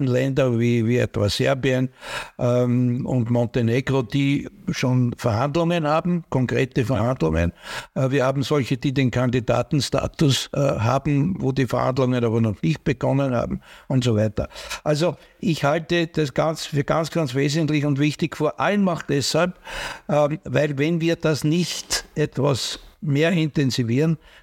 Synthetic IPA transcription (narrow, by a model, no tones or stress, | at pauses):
n̩lɛndɐviːviɛ̰tvaːsɛɐbiənʔʊntmɔ̃nteneɡʁod̥iːʃoːnfɛɐhandlʊŋənhaːbm̩kʰɔŋkʁeːtəfɐɐhandlʊ̰ŋə̰nviːɐhaːbm̩sɔlçəd̥iːdenkʰandida̰ːtn̩sta̰ːtʊsʔɦa̰ːbm̩voːdiːfɛɐha̰ndlʊŋənaːbɐnɔχnɪçt̚b̥əɡ̥ɔnənha̰ːbm̩ʊntsovæɪtɐ̰ʔalzo | ʔɪçhaltəd̥asɡ̥ant͡sfyːɐɡ̥a̰nt͡sɡ̥ant͡sveːzəntlɪçʊntvɪçtɪçfyːɐʔalənmaχd̥ɛshalpː | væɪlvɛnviːɐd̥asnɪçtʔɛtvasmeːɐɪntɛnziviːʁn